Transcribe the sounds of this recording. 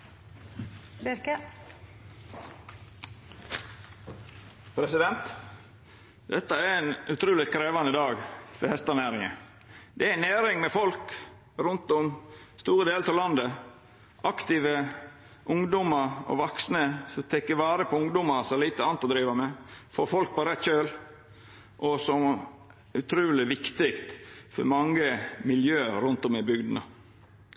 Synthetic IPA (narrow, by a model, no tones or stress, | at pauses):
bɪɾkə | pʰɾɛsɪd̪ɛnt̪ | d̪ɛt̪ːəæɛnʉt̪ʰɾuːlɪkʰɾeːʋɑnəd̪ɑːɡfɪhɛst̪ɑnæːɾɪŋə̰ | d̪̥ɛænæːɾɪŋmɛfɔlk | ɾʊnt̪ɔmst̪uːɾəd̪eːlt̪ʰɑlɑnd̪ə | ʔɑkt̪ɪʋə | ʔʊŋd̪ʊməɾɔ̰ʋɑksnəsɔmt̪ʰɛkːəʋɑːɾəpʰɔʊŋd̪ʊmɑsɔæliːt̪əɑnt̪ɔd̪ɾiːʋəmɛfoːfɔlk̚pɔɾɛt̪ːɕøːl | ʔɔsɔm | ʉt̪ʰɾuːlɪʋɪkt̪ɪkt̪fɔ̰ɾmɑŋːəmɪljøːɾʉnt̪ɔmɪbʏɡd̪nə